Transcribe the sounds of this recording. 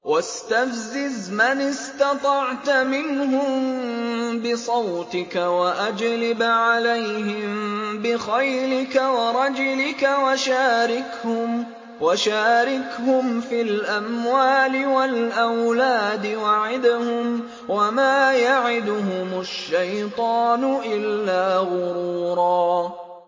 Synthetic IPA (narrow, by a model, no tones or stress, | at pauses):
wast̪afzɪzmanɪst̪ɑt̪ˤɑʕt̪mɪnɦʊmm | bɪsˤɑwt̪ɪkawaʔad͡ʒlɪbʕalajɦɪmbɪxajlɪkawɑɾˤɑd͡ʒʊlɪkawaʃaːɾɪkhʊm | waʃaːɾɪkhʊmfilʔamwaːlɪwalʔawlaːd̪ɪwaʕɪd̪hʊm | wamaːjaʕɪd̪ʊhʊmʊʃːajt̪ˤɑːnʊʔɪlːaːɣʊɾuːɾˤɑː